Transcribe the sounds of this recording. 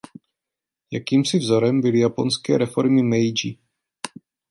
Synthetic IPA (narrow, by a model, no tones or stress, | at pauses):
jakiːmsɪvzoɾɛmbɪlɪjaponskɛ̰ːɾɛfoɾmɪmɛjd͡ʒi